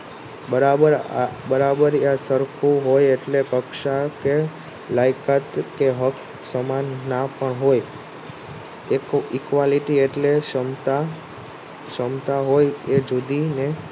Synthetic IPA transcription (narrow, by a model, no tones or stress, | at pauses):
bəɾabəɾbəɾabəɾasəɾkʰuɦojeʈlekəkʃake | lajkat̪keɦək | səmanːapəɳɦoj | ekikʋaliʈieʈleʃəmt̪a | ʃəmt̪aɦojed͡ʒud̪ine